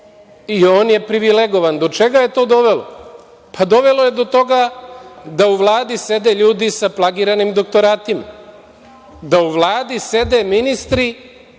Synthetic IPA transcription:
io̞ːnje̞pɾiʋileɡo̞ʋand̪o̞t͡ʃe̞ɡaje̞t̪o̞ːd̪o̞ʋe̞lo̰ | pʰad̪o̞ʋe̞loje̞d̪o̞t̪o̞ɡa | d̪auʋlˠaːd̪ise̞d̪e̞ʎuːd̪isaplˠaɡiɾanimd̪o̞kt̪o̞ɾaːt̪ima̰ | d̪auʋlˠaːd̪ise̞d̪e̞minist̪ɾi

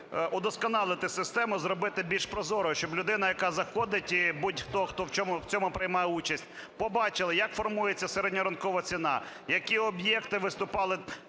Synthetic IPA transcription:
ʔʊd̪ɔskɔnɑlˠɪt̪ɪsɪst̪ɛmʊzrɔbɪt̪ɪbʲilʲʃpɾɔzɔɾɔɦɔʃt͡ʃɔblʲʊd̪ɪnɐjɐkɑzɐxɔd̪ɪtʲibudʲxt̪ɔxt̪ɔwt͡ʃʲɔmʊwt͡sʲɔmʊpɾɪjmɑjɛut͡ʃɐsʲtʲ | pɔbɑt͡ʃɪlˠɪjɐkfɔrmujet͡sʲːɐseɾɛdʲnʲiɾɐnkɔʋɐt͡sʲinɑjɐkʲiɔbjɛkt̪ɪʋɪst̪ʊpɑlˠɪ

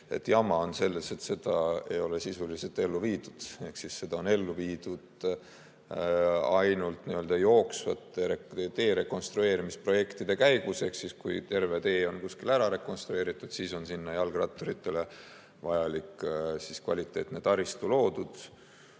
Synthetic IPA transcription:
e̞̰t̪ːˑjɑmɑo̞nse̞lːese̞t̪se̞d̪̥ɑe̞̰jo̞le̞sisuliset̪ːˑe̞lːuviːd̪̥ud̪̥e̞hksisse̞d̪̥ɑo̞ne̞lːuviːd̪̥ud̪̥ | ɑjnult̪niø̞ld̪̥ɑjo̞ːksvɑt̪ːˑeet̪e̞ːɾe̞kːˑo̞nst̪ɾue̞ːɾimispro̞je̞kt̪id̪̥e̞kæjɡ̥use̞hksiskujt̪e̞rve̞t̪e̞ːo̞nkuskilæɾɑɾe̞ko̞nst̪ɾue̞ːɾit̪ːˑud̪̥siːso̞nsinːɑjɑlɡrɑ̰t̪ːˑoɾit̪ːe̞le̞ | vɑjɑliksiskvɑ̰lit̪ːˑe̞ːt̪net̪ɑɾist̪ulo̞ːd̪̥ud̪̥

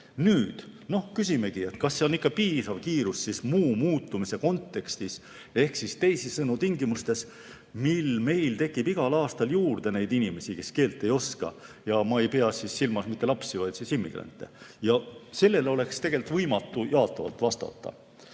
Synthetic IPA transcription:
nyːd̪̥no̞hkysʲime̞ɡie̞t̪kɑsːeonikːɑpiːsɑvkiːɾusːismuːmuːt̪ːˑumise̞ko̞nt̪ːˑe̞kst̪is | e̞hksist̪e̞jsisːɤnut̪iŋɡimust̪e̞s | milme̞jlt̪e̞kːˑib̥iɡ̥ɑlɑːst̪ɑljuːrd̪e̞ne̞jd̪̥inimesike̞skeːlt̪ːˑe̞jo̞skɑ̰jɑmɑe̞jpe̞ɑsisːilmɑsmit̪ːˑelɑpsivɑjd̪̥sisimːḭɡ̥ɾɑ̰nt̪ːˑe̞̰jɑse̞lːe̞lo̞le̞kst̪e̞ɡ̥e̞lt̪ːˑvɤjmɑt̪ːˑujɑːt̪ːˑɑvɑ̰lt̪ːˑvɑst̪ɑ̰t̪ːɑ̰

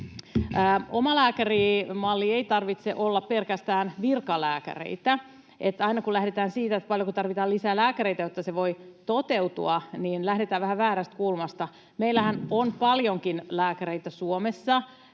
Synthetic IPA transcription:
əːomɑlæːkærimɑlːiejt̪ɑrʋit̪seʔolːɑppelkæst̪æːnʋirkɑlæːkæ̰rḛit̪æ | et̪ːɑinɑkulæhdet̪æːnsiːt̪æet̪pɑljokut̪ɑrʋit̪ɑːlisæːlæːkæɾeit̪æjot̪ːɑseʋojt̪ot̪euwt̪uɑniːnlæhdet̪æːʋæhæʋæːɾæst̪̚kuːlmɑst̪ɑ | meilːæhænonpɑljoŋkinlæːkæɾeit̪æsuomesːɑ

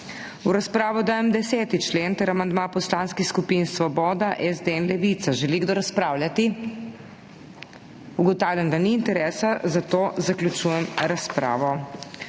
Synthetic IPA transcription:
uɾaspɾaːʋɔd̪aːjɛmd̪ɛsɛːt̪it͡ʃleːnt̪əɾamand̪mapɔslaːnskixskupinsʋɔbɔːd̪aʔɛzd̪eɛnlɛʋit̪saʒɛliɡd̪oɾaspɾaːwlʲjat̪i | uɡɔt̪aːwlʲand̪aniːnt̪ɛɾɛːsazat̪oːzaklʲjut͡ʃujɛmɾaspɾa̰ːʋɔ

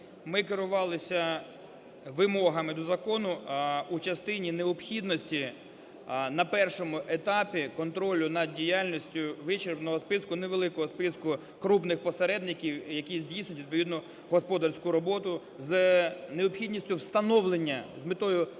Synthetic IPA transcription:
mɪkɪɾʊʋɑlˠɪsʲɐ | ʋɪmɔɦɐmɪd̪ɔzɐkɔnʊut͡ʃɐst̪ɪnʲineɔpxʲid̪nɔsʲtʲi | nɐpɛrʃɔmʊʔet̪ɑpʲikɔnt̪ɾɔlʲʊnɐd̪̚dʲijalʲnʲisʲtʲʊʋɪt͡ʃeɾbnɔɦɔspɪskʊneʋelˠɪkɔɦɔspɪskʊ | kɾupnɪxpɔseɾɛd̪nɪkʲiwjɐkʲizʲdʲijsnʲʊtʲid̪̚p̬ɔʋʲid̪nɔ | ɦɔspɔd̪ɐrsʲkʊɾɔbɔt̪ʊ | zneɔpxʲid̪ʲnʲisʲtʲʊwst̪ɐnɔʋlˠenʲːɐzʲmɪt̪ɔjʊ

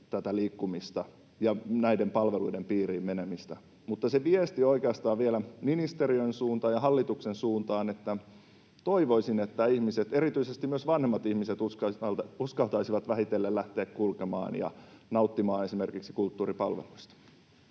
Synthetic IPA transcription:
t̪æt̪æliːkːumist̪ɑ | jɑnæidempɑlʋeluidempiːriːmmenemist̪æ | mut̪ːɑseʋiest̪ioikeɑst̪ɑːʋʋielæminist̪eriøinsuːnt̪ɑːjɑɦɑlːit̪uksensuːnt̪ɑːnet̪ːæ | t̪oiʋoisinet̪ːæihmiset̪erit̪yisest̪imyøsʋɑnhemːɑt̪ihmiset̪uskɑɑluskɑlt̪ɑisiʋɑt̪ʋæhit̪elːellæht̪eːkkulkemɑ̰ːnjɑ̰nɑut̪ːimɑːnesimerkiksi̥kult̪ːuːɾipɑlʋḛluist̪ɑ̥

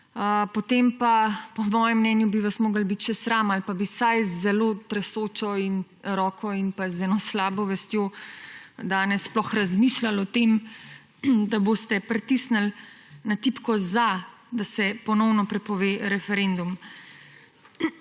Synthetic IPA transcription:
əpɔt̪empapɔmɔːjɛmːnɛːnjubiʋasmoːɡəlbit̪ʃɛsɾamalpabisajzɛloːt̪ɾɛsoːt͡ʃɔin | ɾɔːkʰɔinpazɛnɔslaːbɔʋɛst̪jo | d̪aːnɛsːplɔxɾazmiːʃlalɔt̪em | d̪aboːst̪ɛpɾɛt̪isnəl | nat̪iːpkɔzad̪asɛpɔnɔwnɔpɾɛpɔʋeːɾɛfɛɾend̪um

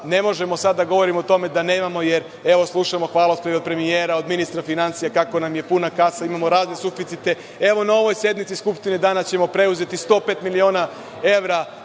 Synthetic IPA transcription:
ne̞mo̞ʒe̞mo̞sad̪d̪ːaɡo̞ʋo̞ɾimot̪o̞me̞d̪ane̞ːmamo̞jeɾ | e̞ʋo̞slˠuʃamo̞xʋaːlˠaospɾeopɾe̞mijeːɾaod̪minist̪ɾafinant̪sijakako̞namje̞punakasaimamo̞ɾaːznesufit̪sit̪e̞ | e̞ʋo̞nao̞ʋo̞jsje̞d̪mit̪siskupʃt̪ined̪aːnat͡ɕe̞mo̞pɾe̞uze̞t̪ist̪o̞ːpeːt̪milio̞ːna | eʋɾa

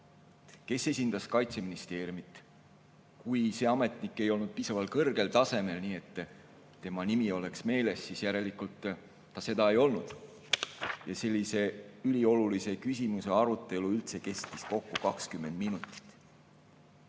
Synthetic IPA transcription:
ke̞se̞sʲind̪̥ɑskɑjt̪se̞minist̪e̞ːrʲjumit̪ːˑ | kujse̞ɑme̞t̪ˑnikːˑe̞jo̞lnud̪̥̚piːsɑvɑlkɤrɡ̥e̞lt̪ɑse̞me̞lniːe̞t̪ː | t̪ːe̞mɑnimio̞le̞ksme̞ːle̞sːisjæɾe̞likult̪ː | ɑse̞d̪ɑe̞jo̞lnud̪̥ | jɑse̞lʲːise̞ylʲio̞lulise̞kysʲimuse̞ɑɾut̪ːˑe̞luylt̪se̞ke̞st̪ːisko̞kːukɑkskymːe̞nd̪̚minut̪ˑi̥t̪ːˑ

